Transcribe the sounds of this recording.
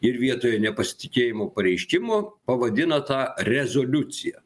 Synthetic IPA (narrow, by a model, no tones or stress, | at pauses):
ɪɾʋʲiɛt̪oːjɛnʲɛpɐsʲɪ̥t̪ʲɪkʲeːjɪmoːpɐɾʲɛɪʃʲkʲɪmopɐʋɐd̪ʲɪnɐt̪ɑːɾʲɛzoːlʲʊt̪sʲɪjɛ